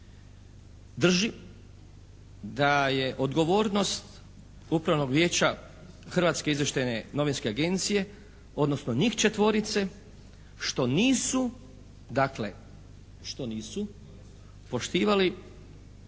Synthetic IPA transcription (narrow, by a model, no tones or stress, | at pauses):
d̪r̩ʒi | d̪aje̞ʔo̞d̪ɡo̞ʋoːɾno̞st̪ | upɾaʋno̞ɡʋje̞ːt͡ɕa | xrʋaːt̪ske̞izʋjeʃt̪ajne̞no̞ʋinske̞aɡe̞nt̪sije̞ | o̞d̪nosnoɲixt͡ʃe̞t̪ʋo̞ɾit̪se̞ | ʃt̪o̞niːsu | d̪akle̞ | ʃt̪o̞niːsu | po̞ʃt̪iːʋali